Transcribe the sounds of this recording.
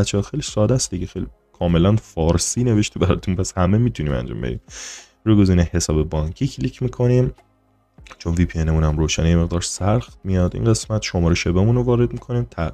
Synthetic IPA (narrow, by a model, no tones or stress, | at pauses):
bæt̪t͡ʃʰːɛɒːxejlisɒːd̪æsd̪iɟexejli | kʰɒːme̞lænfɒːɾsiːne̞ve̞ʃt̪ʰibæɾɒ̰ːt̪ʰunpʰæshæmemit̪ʰuniːmæ̰nd͡ʒɒ̰ːmbed̪ḭːm | ɾuɡoziːnehe̞sɒːbe̞bɒɲcʰiːkʰlicʰmiːkʰo̞niːm | t͡ʃʰo̞nviːpʰienemunæmɾoːʃænjeme̞ɣd̪ɒːɾsæɾxt̪mijɒd̪ḭːnɡe̞smæt̪ʃomɒːɾeʃebemunovɒːɾed̪mikʰo̞niːmt̪ʰæ